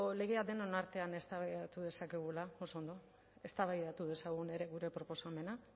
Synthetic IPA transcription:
le̞ɣe̞ad̪e̞nonaɾt̪e̞ane̞st̪aβajðat̪uð̞e̞sake̞ɣ̞ulao̞so̞nd̪o̞ | e̞st̪aβajðat̪uð̞e̞saɣ̞une̞ɾe̞ɣuɾe̞pɾo̞po̞same̞na

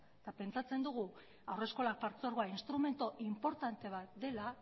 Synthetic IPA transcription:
t̪ape̞nt͡sat͡se̞nd̪uɣ̞u | awre̞sko̞lak̚paɾt͡soaɾɣoainst̪ɾume̞nt̪oʔimpo̞ɾt̪ant̪e̞β̞at̪̚d̪e̞la

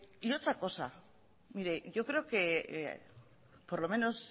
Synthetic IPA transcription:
iot͡sako̞sa | miɾe̞ʝo̞kɾe̞oke̞ | po̞ɾlo̞me̞no̞s

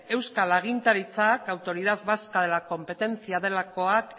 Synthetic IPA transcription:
e̞wskalaɣ̞int̪aɾit͡sakawt̪o̞ɾið̞aðβaskaðe̞lako̞mpe̞t̪e̞nt͡siaðe̞lako̞ak

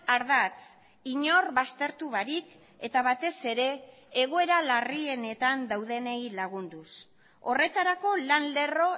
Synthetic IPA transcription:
aɾðat͡s | iɲo̞rβast̪e̞ɾt̪uβaɾik | e̞t̪aβat̪e̞se̞ɾe̞ː | ɣ̞oe̞ɾalarie̞ne̞t̪and̪awðe̞nejlaɣ̞und̪us | o̞re̞t̪aɾako̞lanle̞ro̞

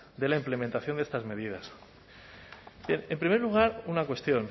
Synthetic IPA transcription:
d̪e̞laimple̞mẽnt̪aθjo̞nd̪est̪azme̞ð̞ið̞as | bjene̞mpɾime̞ɾluɣ̞aɾunakwe̞st̪jo̞n

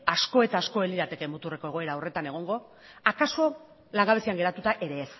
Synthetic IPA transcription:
asko̞e̞t̪aːsko̞e̞liɾðat̪e̞kemut̪ure̞ko̞e̞ɣ̞o̞e̞ɾaore̞t̪ane̞ɣ̞o̞ŋɡo̞ | akaso̞ | laŋɡaβe̞siaŋɡe̞ɾat̪ut̪aʔe̞ɾe̞ːs

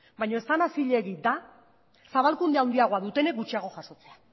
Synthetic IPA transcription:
bajɲo̞e̞st̪anasiʎe̞ɣid̪a | saβalkund̪eawnd̪iaɣ̞o̞aðut̪e̞ne̞k̚ɡut͡ʃiaɣ̞o̞ʝaso̞t͡se̞a

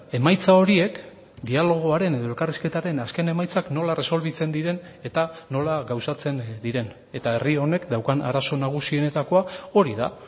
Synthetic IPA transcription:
e̞majt͡sao̞ɾie̞k | d̪ialo̞ɣ̞o̞aɾe̞ne̞ðo̞e̞lkariske̞t̪aɾe̞naske̞ne̞majt͡sakno̞lare̞so̞lβit͡se̞nd̪iɾe̞ne̞t̪ano̞laɣawsat͡se̞nd̪iɾe̞n | e̞t̪ae̞rio̞ne̞kd̪awkana̰ɾaso̞naɣ̞usie̞ne̞t̪ako̞ao̞ɾiða̰

